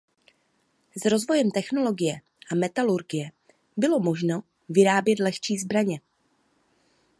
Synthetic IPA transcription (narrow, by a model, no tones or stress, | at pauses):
zɾo̞zvo̞jɛmt̪ɛxno̞lo̞ɡɪjɛ | ʔamɛt̪aluɾɡɪjɛ | bɪlo̞mo̞ʒno | vɪɾaːbjɛt̪lɛxt͡ʃiːzbɾaɲɛ